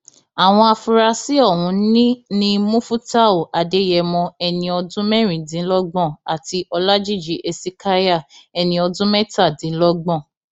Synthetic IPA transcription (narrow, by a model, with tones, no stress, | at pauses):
a˨w̃ɔ̃˧a˧fu˧ɾa˧si˦ɔ˦˨hũ˨˦nĩ˦nĩ˦mũ˦fu˦ta˦o˨ʔa˨de˨˦jɛ˧mɔ̃˧ɛ˧nĩ˧ɔ˧dũ˦mɛ˦ɾ̃ĩ˨dĩ˨˦lɔ˦ɡ͡bɔ̃˦˨a˨ti˧ʔɔ˧la˦d͡ʒi˦˨d͡ʒi˨˦ʔe˧si˦ka˦ja˦˨ɛ˧nĩ˧ɔ˧dũ˦mɛ˦ta˦˨dĩ˨˦lɔ˦ɡ͡bɔ̃˦˨